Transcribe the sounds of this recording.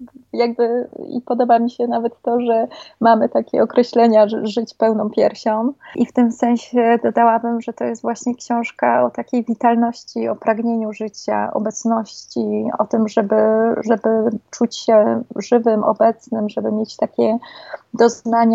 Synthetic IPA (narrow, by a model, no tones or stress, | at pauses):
jaɡ̚bɘḭpɔd̪ɔbamʲiɕɛnavɛt̪ːɔʐɛmamɘt̪akʲɛ̰ɔkɾɛɕlɛɲaʐɘt͡ɕpɛwnɔ̃w̃pʲjɛɾɕɔ̃w̃ʔift̪ɘmsɛ̃ɲ̃ɕɛd̪ɔd̪awabɘmʐɛt̪ɔjɛst̪vwaɕɲɛkɕɔ̃w̃ʂkaɔt̪akʲejvʲit̪alnɔɕt͡ɕiɔpɾaɡɲeɲuʐɘt͡ɕa̰ɔ̰bɛt̪snɔɕt͡ɕiɔ̰t̪ɘmʐɛbɘʐɛbɘt͡ʂut͡ɕɕɛʐɘvɘmʔɔ̰bɛt̪snɘmʐɛbɘmʲjet͡ɕt̪akʲɛd̪ɔznaɲa